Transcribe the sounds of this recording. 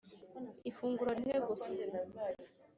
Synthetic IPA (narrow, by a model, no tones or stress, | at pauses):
ifuːŋɡuɾaɾineɡosenazaːjo